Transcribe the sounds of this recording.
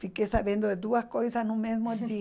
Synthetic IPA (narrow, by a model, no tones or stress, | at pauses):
fikesaβjẽnd̪od̪ed̪uaskojsasnõmẽsmot̪e